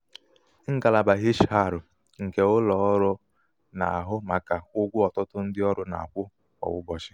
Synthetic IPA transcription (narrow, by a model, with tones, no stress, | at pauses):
ŋ̩˦ɡa˨la˨ba˨ɦi˦ʃɦa˦˨ɾʊ˨ | ŋ̩˨ke˨ʊ˦lɔ˨˦ɾʊ˦ | na̰˨a˨ɦʊ˦ma˨ka˨ʊ˦ɡʷʊ˦ɔ˨tʊ˦tʊ˦n̩˦dɪ˦ɔ˦ɾʊ˦na̰˨a˨kʷʊ˦ | ɔ̰˨wʊ˦bɔ˨t͡ʃɪ˦